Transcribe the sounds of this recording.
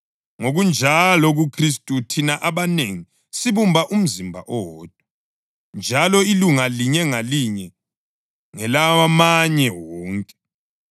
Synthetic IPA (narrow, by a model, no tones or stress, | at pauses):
ŋoɣund͡ʒʱalɔɣukʰris̬tʼutʰinaʔaβaneŋi | siβumbʱaʔum̩zimbʱa̰ʔɔwɔːd̥̚ʱwa | nd͡ʒʱalɔiluŋaliɲɛŋaliɲɛ | ŋɛlawamaɲɛwɔːŋkʼɛ̥